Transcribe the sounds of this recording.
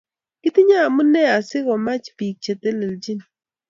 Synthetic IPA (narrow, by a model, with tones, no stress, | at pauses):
kɪ˦t̪i˦ɲa˦˨mu˦nɛ˦a˨sɪ˦ɣɔ˨ma˦t͡ʃpi˨k̚t͡ʃe˨te˦le˨ld͡ʒi˦n